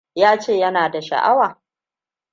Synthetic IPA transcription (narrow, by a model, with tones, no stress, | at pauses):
jaː˦t͡ʃeː˦˨jɐ˦naː˨da˨ʃɐ̰˨ʔa̰˦waː˨